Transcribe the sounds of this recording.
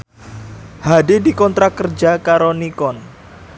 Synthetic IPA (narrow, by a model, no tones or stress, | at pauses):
hadidikɔnt̪ɾakərd͡ʒakaɾonikɔn